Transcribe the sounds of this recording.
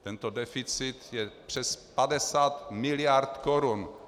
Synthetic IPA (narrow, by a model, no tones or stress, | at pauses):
t̪ɛnt̪odɛfit͡sit̪jɛpr̥ɛspadɛsaːt̪mɪlijaɾt̪koɾun